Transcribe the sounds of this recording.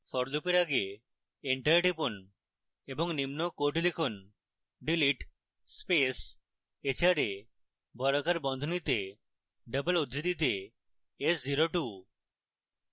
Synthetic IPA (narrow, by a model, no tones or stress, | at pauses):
fʰɔɾlupeɾaɡe | eɳʈaɾeʈipon | ebɔŋnimnokoʈlikʰon | ɖiliʈ | spes | et͡ʃaɾe | bɔɾɔkaɾbɔnd̪ʱonit̪e | ɖəbəlud̪ɾid̪it̪eː | sziɾoʈu